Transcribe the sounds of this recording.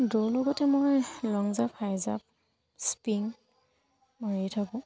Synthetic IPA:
dolɔɡɔtɛmojlɔŋzaphajza̰p̚ | spiŋ | mojejtʰakɔ̃

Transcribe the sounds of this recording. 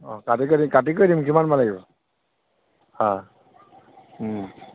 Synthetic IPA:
ɔ̰katik̬odimkatik̬ojdimkimanmalaɡibɔ | hã

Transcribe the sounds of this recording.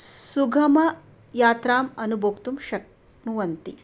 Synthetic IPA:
suɡʱɐmɐ | jaːt̪ɾaːmɐnubʱɐkt̪umʃɐk | nuʋɐnt̪i

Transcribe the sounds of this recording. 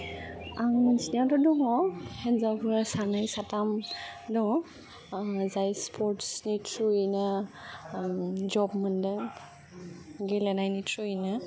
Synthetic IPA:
aŋmɯnsniadɔdɔŋɔhɛnzawbʰɯsanajsatamdɔŋɔ | zajspʰɔɹtsnitʰɹuina | zɔbmɯndɯŋ | ɡelɛnajnitʰɹuinɯ

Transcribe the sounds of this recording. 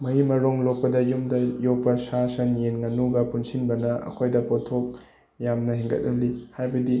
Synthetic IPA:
mɐɦimɐɾoŋlok̚pɐdɐjumdɐjok̚pɐsasɐnjenŋɐnuɡɐpunsinbɐnɐɐ̰kʰojdɐpotʰok̚ | jamnɐɦeŋɡɐ̰t̚nɐlihajbɐdi

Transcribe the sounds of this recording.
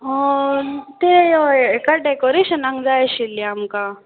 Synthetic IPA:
ɦo | t̪ejoekaɖekɔɾeɕənãŋɡd͡zajɕiliamka

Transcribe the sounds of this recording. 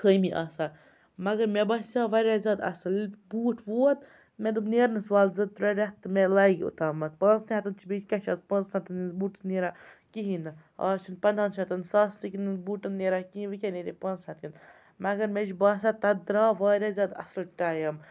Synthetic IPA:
kəjmiʔaːsaː | mɐɡɐɾmebɐsʲaːʋaːɾʲaːzʲaːd̪ɐ̰sɨlbuːʈʰʋuːt̪ | med̪ubneːɾnɨsʋaːlzɐd̪̚t̪ɾɐɾʲɐt̪ːɨmelɐːɡʲiṵt̪aːmɐt̪̚pɐːnsniɦɐt̪ɨnt͡ʃʰibʲid͡ʒkʲɐʃɐzpɐnzat̪ininzbuːʈsniːɾaː | kiɦĩnɨa̰ːt͡ʃʰinpɐnd̪anʃat̪insaːst̪ikʲininzbuːʈɨnːeːɾaːkiɦĩʋɨkʲeneɾʲepɐnzɐt̪in | mɐɡɐɾmed͡ʒbaːs̬at̪ɐd̪ɾaːʋaːɾʲaːzʲaːd̪ɐ̰sɨlʈaːjɐm

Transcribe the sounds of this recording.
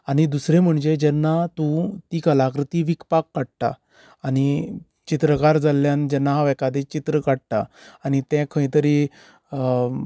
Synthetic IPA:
añid̪usɾẽm̤əɳd͡ʑed͡ʑɛnːat̪ũt̪ikəlakɾət̪iʋikpakːəɽʈ̪a̰ː | ɽ̃i | t͡ɕit̪ɾəkaɾd͡zalːjãnd͡ʑənːaaʋɛkad̪et͡ɕit̪ɾəkaɽʈ̪aːñit̪ɛ̃kʰə̃j̃t̪əɾi

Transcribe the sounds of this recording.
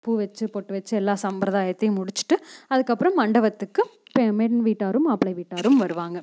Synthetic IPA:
puːʋɛt͡ʃːɯpoːʈːɯʋɛt͡ʃːɯɛlːaːsɐmpɾɐðaːjɐt̪ːɐjɯmʊɽɪt͡ʃːɯ̥ʈːɯɐðɯkːɐpːɯɾɐmːɐɳɖɐʋɐt̪ːɯkːɯpemɛnʋiːʈːaːɾɯmɐpːɭɐɪʋiːʈːaːɾɯmʋɐɾɯʋaːŋɡɐ

